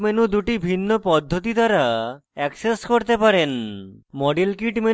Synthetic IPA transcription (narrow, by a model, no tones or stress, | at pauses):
menud̪uʈibʱinːopɔd̪ʱːot̪id̪aɾaɛkseskoɾt̪epaɾenmɔɖilkiʈme